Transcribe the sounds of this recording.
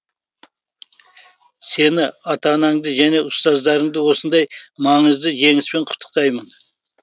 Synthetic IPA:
se̞nɪɑt̪ɑnɑɴd̪əʒæne̞ʊst̪ɑzd̪ɑɾəɴd̪əwo̞sənd̪ɑjmɑɴəzd̪əʒe̞ŋɪspe̞ɴqʰʊ̥t̪ʰːə̥q̚t̪ɑjmən

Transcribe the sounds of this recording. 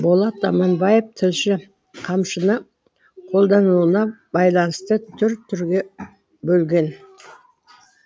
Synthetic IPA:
bo̞lˠɑt̪ɑmɑnbɑjep̚t̪ʰɪlʃɪ | qʰɑmʃənə | qʰo̞lˠd̪ɑnuənɑbɑjlˠɑnəst̪ət̪ʰʏɾt̪ʰːʏɾɡʲe̞ | bɵlɡʲe̞n

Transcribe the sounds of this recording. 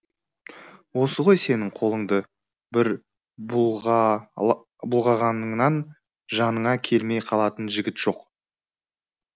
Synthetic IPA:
wo̞səʁo̞jse̞nɪŋqʰo̞lˠəɴd̪ə | bɪɾ | b | bʊlˠʁɑʁɑnəɴnɑn | ʒɑnəɴɑkʲʰe̞lme̞jqʰɑlˠɑt̪ənʒɪɡʲɪt̪ʒ̥o̞q

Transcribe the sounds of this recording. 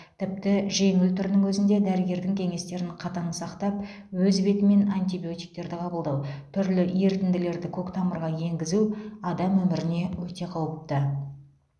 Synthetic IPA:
t̪ʰɪp̚t̪ɪʒe̞ŋɪlt̪ʰʏɾɪnɪŋwɵzɪnd̪e̞d̪æɾɪɡʲe̞ɾd̪ɪŋkʲʰe̞ŋe̞st̪e̞ɾɪɴqʰɑt̪ɑnəsɑqt̪ɑp̚ | wɵzbe̞t̪ɪme̞nɑnt̪ibijo̞t̪ijk̚t̪e̞ɾd̪ɪqʰɑbəlˠd̪ɑwt̪ʰʏɾlɪje̞ɾt̪ɪnd̪ɪle̞ɾd̪ɪkʲʰokt̪ʰɑməɾʁɑje̞ŋɡʲɪzuɑd̪ɑmwɵmɪɾɪne̞wɵt̪e̞qʰɑwəp̚t̪ə

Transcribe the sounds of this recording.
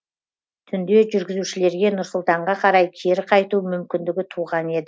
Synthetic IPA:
t̪ʰʏnd̪e̞ʒʏɾɡʲɪzuʃɪle̞ɾɡʲe̞nʊɾsʊlˠt̪ɑɴʁɑqʰɑɾɑjkʲʰe̞ɾɪqʰɑjt̪umʏmkʲɪnd̪ɪɡʲɪt̪ʰuʁɑne̞d̪ɪ

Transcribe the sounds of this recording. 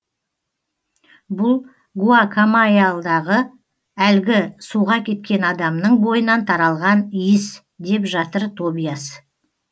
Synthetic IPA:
bʊlˠ | ɡuakʰamajalˠd̪ɑʁə | ælɡʲɪsuʁɑkʲʰe̞t̪̚kʲe̞nɑd̪ɑmnəɴbo̞jənɑnt̪ʰɑɾɑlˠʁɑnijɪs | d̪e̞pʒɑt̪əɾt̪ʰo̞bijasə

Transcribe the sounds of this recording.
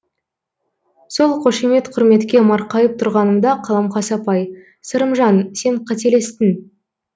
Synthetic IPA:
so̞lˠqʰo̞ʃeme̞t̪qʰʊɾme̞t̪kʲe̞mɑɾqɑjəp̚t̪ʰʊɾʁɑnəmd̪ɑqʰɑlˠɑmqʰɑsɑpɑj | səɾəmʒɑnse̞ɴqʰɑt̪ele̞st̪ɪn

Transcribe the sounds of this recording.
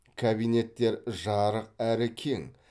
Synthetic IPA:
kʰabijne̞t̪ːe̞ɾʒɑɾəq̚æɾɪkʲʰe̞ŋ

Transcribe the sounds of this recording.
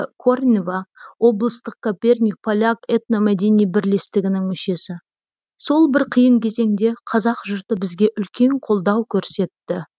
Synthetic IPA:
kʰornʲevawo̞blˠəst̪əq̚kʰopʲe̞rnʲik̚pʰolʲaket̪nomæd̪e̞nijbɪɾle̞st̪ɪɡʲɪnɪŋmʏʃe̞sɪ | so̞lˠbɪɾqʰəjəɴkʲʰe̞ze̞ŋd̪e̞qʰɑzɑqʒʊɾt̪əbɪzɡʲe̞ʔʏlkʲe̞ɴqʰo̞lˠd̪ɑwkʲʰɵɾse̞t̪ːɪ

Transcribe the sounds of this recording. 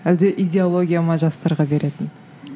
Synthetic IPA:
æld̪eʔid̪ʲe̞olˠo̞ɡʲijamɑʒɑst̪ɑɾʁɑbe̞ɾe̞t̪ɪn

